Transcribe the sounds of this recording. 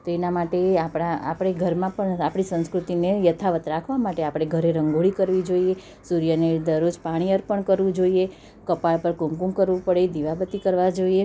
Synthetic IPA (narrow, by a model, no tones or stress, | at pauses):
t̪oenamaʈeapɽaa̰pɽ̃eɡʱəɾmãpəɳapɽisə̃nskɾut̪inejət̪ʰaʋət̪ɾakʰʋamaʈeapɽ̃eɡʱəɾeɾəŋɡoɭikəɾʋid͡ʒoie | suɾjəned̪əɾod͡ʒpaɽ̃ijəɾpəɳkəɾʋũd͡ʒoie | kəpaɭpəɾkũŋkũŋkəɾʋũpəɽed̪iʋabət̪ikəɾʋad͡ʒoie